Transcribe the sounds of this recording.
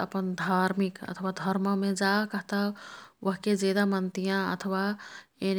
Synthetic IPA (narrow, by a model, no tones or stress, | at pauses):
ə̰pənd̪ʱaːɾmikə̰t̪ʰəʋad̪ʱəɾməmẽd͡ʒakəɦt̪aʋəɦked͡ʒeːd̪amənt̪ijãə̰t̪ʰəʋaen